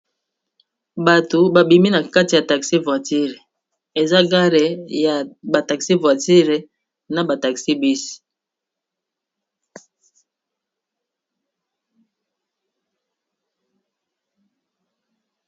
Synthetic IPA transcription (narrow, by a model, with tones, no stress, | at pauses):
ba˨to˨ba˨bi˨mi˦na˨ka˦ti˨ja˨ta˨ksi˦va˨ti˦ʁe˨ | e˨za˦ɡa˦le˨ja˨ba˨ta˨ksi˦vwa˨ti˦ʁe˨ | na˨ba˨ta˨ksi˦bi˦si̥˨